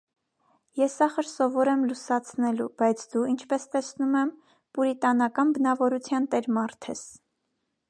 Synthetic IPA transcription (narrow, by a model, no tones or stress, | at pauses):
jɛsɑχəɾsɔvɔɾɛmlusɑt͡sʰnɛlub̥ɑjt͡sʰd̪uint͡ʃʰpɛst̪ɛsnumɛm | puɾit̪ɑnɑkɑnbənɑvɔɾut͡sʰjɑnt̪ɛɾmɑɾt̪ʰɛ̰s